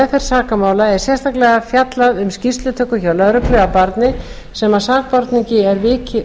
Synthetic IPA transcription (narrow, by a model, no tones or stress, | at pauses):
fɛɾ̥saːkamaːwlaɛɾ̥sjɛst̪ʰaklɛɣafjat̪laðʏmscist̪lʏt̪ʰœkʏçawlœðɾʏpɾʏapaɾt̪nɪ | sɛmasaːk̚pɔɾt̪niɲcɪɛɾvɪːcɪ